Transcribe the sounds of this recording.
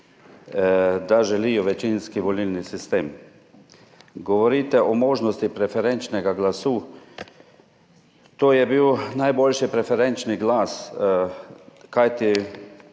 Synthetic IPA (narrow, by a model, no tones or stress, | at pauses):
d̪aʒɛliːjɔʋɛt͡ʃinskiʋɔlilnisist̪eːm | ɡɔʋɔɾiːt̪ɛʔɔmoːʒnɔst̪ipɾɛfɛɾɛnt͡ʃnɛɡaɡlasuː | t̪oːjɛbiwnajbolʲʃipɾɛfɛɾɛnt͡ʃniɡlaːs | kajt̪i